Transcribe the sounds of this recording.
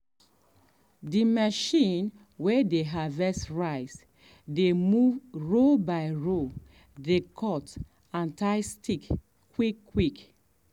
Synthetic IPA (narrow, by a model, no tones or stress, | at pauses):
dimaʃĩn | wedeɦavɛsɹaɪs | demuɹobaɪɹo | dekʰɔt | ãntaɪstik | wikːwik